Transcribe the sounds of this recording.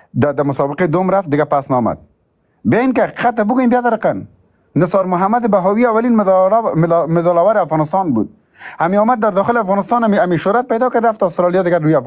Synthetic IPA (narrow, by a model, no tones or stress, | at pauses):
d̪ad̪amʊsɔbɪqed̪omɾaft̪̚d̪ɪɡapasnɔma̰d̪̚ | beinkɪaqiqat̪ːabʊɡujembjazaɾaqanː | ɪsɑɾmʊɦamad̪ɪbaɦɔwiawalin | mɪzɔlawaɾɪafɣɔnɪst̪ɑnbṵd̪̚ | hamiɔmad̪ːaɾd̪ɔxɪlɪafɣɔnɪst̪ɑnamiʃʊɾat̪̚pajd̪ɔkad̪ɾaft̪ɔːst̪ɾɑljɔd̪ɪɡaɾuja